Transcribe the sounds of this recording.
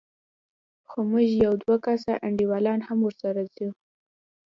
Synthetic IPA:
xomʊʒjawd̪wakasaʔaɳɖiwɑlɑnhamwəɾsaɾazu

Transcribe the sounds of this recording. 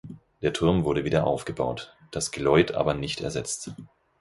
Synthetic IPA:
d̥eːɐtʰʊɐmvʊɐɾəviːdɐʔaʊfɡ̥əbaʊt | d̥asɡ̥əlɔʏtʰʔa̰ːbɐnɪçtʰɛ̰ɐzɛt͡st

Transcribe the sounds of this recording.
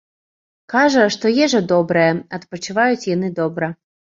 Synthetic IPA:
kaʐɐʂt̪ɔjɛʐɐd̪ɔbɾɨjɛɐt̪pɐt͡ʃɨvajut͡sʲjanɨd̪ɔbɾɐ

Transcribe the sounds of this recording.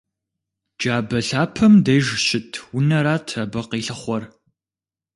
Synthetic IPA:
d͡ʒaːbɐɬaːpʰɐmdɐjʒɕɪtʰwʊnɐɾaːtʰrɐbɐqiːɬɐχʷɔr

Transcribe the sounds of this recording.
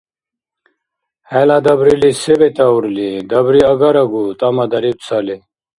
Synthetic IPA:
helad̪ɐbɾilisebet̪auɾlid̪ɐbɾiɐɡɐɾɐɡut̪ɐmɐd̪ɐɾib̚t͡sʰɐli

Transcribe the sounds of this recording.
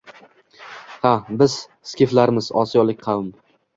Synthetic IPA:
habɪz̥ | skʲiflaɾmɪzɒsijɒlˠɪk̚ʲqʰɑwɪm

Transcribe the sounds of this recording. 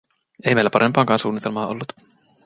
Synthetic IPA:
eimejlːæpɑɾempɑːŋkɑːnsuːnːit̪elmɑːʔo̞̰lːut̪

